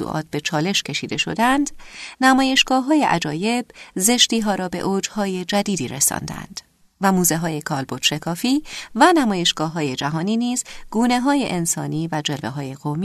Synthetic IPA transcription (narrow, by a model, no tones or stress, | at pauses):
ṵʔɒ̰ːt̪̚ʰb̥e̞t͡ʃʰɒːle̞ʃcʰe̞ʃiːd̪e̞ʃo̞̰d̪ænd̪̥næmɒːje̞ʃɡ̥ɒːɦɒːje̞ʔæ̰d͡ʒɒːje̞b̥ze̞ʃt̪iːɦɒːɾɒːbe̞ʔoːd͡ʒhɒːje̞d͡ʒæd̪iːd̪iːɾe̞sɒ̰ːnd̪æ̰nd̪̥ | væmuːze̞ɦɒːje̞kʰɒːlbod̪̥ʃe̞kʰɒːfiːvænæmɒːje̞ʃɡ̥ɒːɦɒːje̞d͡ʒæɦɒːniːniːzɡ̥uːne̞ɦɒːje̞ʔensɒ̰ːniːvæd͡ʒe̞lveɦɒːje̞ɣ̥om